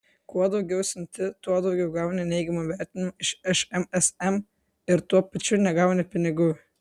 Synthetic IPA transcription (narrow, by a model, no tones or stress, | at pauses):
kuɔd̪ɒʊɡʲɛʊsʲɪnʲt̪ʲɪt̪uɔd̪ɐʊɡʲɛʊɡɑˑʊnʲɛnʲɛɪɡʲɛmoʋʲæɾʲt̪ʲɪnʲɪmoɪʃɛʃɛmɛsɛm | ɪɾt̪uɔpɐt͡ʃʲʊnʲɛɡɑʊnʲɪpʲɪnʲɪɡʊ